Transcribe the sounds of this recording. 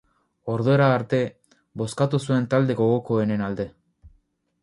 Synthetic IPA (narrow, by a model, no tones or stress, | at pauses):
o̞ɾðoeɾaːɾt̪e̞ | bo̞skat̪usue̞nt̪ald̪e̞ɣo̞ɣo̞ko̞ene̞nald̪e̞